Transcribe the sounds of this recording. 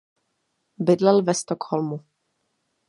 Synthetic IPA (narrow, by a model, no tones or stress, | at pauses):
bɪdlɛlvɛst̪okholmu